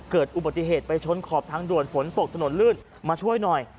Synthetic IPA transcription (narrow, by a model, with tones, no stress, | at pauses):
kɤː˨˩t̪̚ʔu˨˩ba˨˩t̪ːi˧ɦeː˨˩t̪̚pa˧jt͡ɕʰo˧˥nkʰɔː˨˩p̚t̪ʰaː˧ŋdu˨˩ənfo˩˦nt̪o˨˩k̚t̪ʰa˧no˩˦nlɯː˥˩n | maː˧t͡ɕʰu˥˩əjnɔ˨˩j